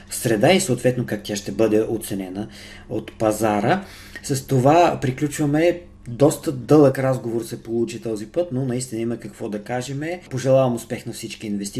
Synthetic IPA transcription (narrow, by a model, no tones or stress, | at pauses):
sɾɛd̪aisoːt̪vɛt̪nokak̚t̪ʲjaʃt̪ɛbɤd̪ɛʔot̪sɛnɛnə | ot̪pɐzaɾə | sɐst̪ovapɾiklʲut͡ʃvɐmɛ | d̪ɔst̪əd̪ɤlˠəkɾazɡovoɾsɛpolˠut͡ʃit̪ɔzipɤt̪nonɐist̪inəimɐkɐkvɔd̪ɐkaʒɛmɛpoʒɛlˠavɐmʊspɛxnɐfsit͡ʃkiːnvɛst̪i